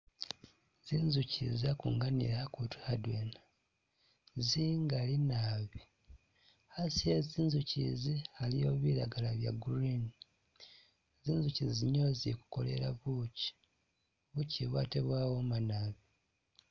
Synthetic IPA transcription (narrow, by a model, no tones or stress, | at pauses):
ziːnzucʰḭzakṵŋɡanḭɾakutuadweːna | ziːŋɡalinaβi | hasieziːnzucḭzialijoβiɾaɡalaβja̰ɡuɾini | eziːnzuciziiɲozḭku̥ko̞̰le̞̰ɾaβuci̥ | βuciβwa̰ːteβwaːwomanaːβi